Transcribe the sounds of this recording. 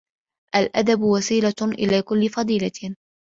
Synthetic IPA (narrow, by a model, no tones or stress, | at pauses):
ʔalʔa̰d̪abwasiːlaʔɪ̰laːkʊlːɪfɑd̪ˤiːla